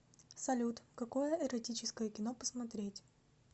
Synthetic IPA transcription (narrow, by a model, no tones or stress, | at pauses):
sɐlʲut̪kɐko̞jəʔɛɾɐtʲit͡ɕɪskəjəkʲɪnopə̥smɐt̪ɾʲetʲ